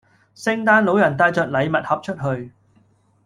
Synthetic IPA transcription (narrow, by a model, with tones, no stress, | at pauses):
sɪ˥ŋt̪aː˥nlo˨˧˥wjɐ˨˩nt̪aː˧jt͡ʃœː˨˧k̚lɐ˨˧jmɐ˨t̚hɐ˨p̚t͡ʃʰɵ˥t̚ɦɵ˧ɥ